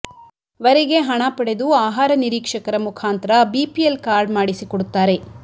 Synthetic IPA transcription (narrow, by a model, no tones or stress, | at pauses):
ʋɐɾiɡe̞ɦɐɳapɐɽe̞d̪uaːɦaːɾɐniɾiːkʂɐkɐɾɐmukʰaːnt̪ɐɾɐbipielkaːɾɖmaːɽisikɔɽut̪ːaːɾe̞